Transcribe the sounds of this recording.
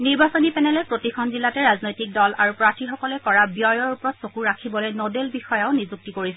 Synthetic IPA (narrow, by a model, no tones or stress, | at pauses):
niɹbasonipɛnɛlɛpɹotikʰɔnzilatɛɹaznojtik̚dɔlʔaɹupɹatʰixɔkɔlɛkɔɹabjɔjɔɹupɹɔtsokuɹakʰibɔlojnodelbixɔjaʊnizuk̚tikoɹisɛ